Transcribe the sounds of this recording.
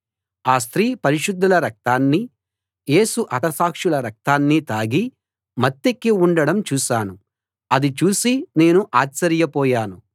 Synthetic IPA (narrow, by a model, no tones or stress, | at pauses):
aːst̪ɾiːpɐɾiʂud̪ʱːɐlɐɾɐk̚t̪aːnːi | je̞ːsuʔɐt̪ɐsaːkʂulɐɾɐk̚t̪aːnːit̪aːɡi | mɐt̪ːekːiuɳɖɐɽɐmt͡ʃuːʃaːnu | ɐd̪it͡ʃuːsine̞ːnuʔaːsɐɾijɐpɔːjaːnu